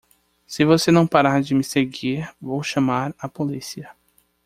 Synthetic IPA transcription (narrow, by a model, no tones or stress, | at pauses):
sɪvosenɐ̃w̃paɾaɾd͡ʒɪmɪseɡiɾvowʃɐ̃maɾapolisiɐ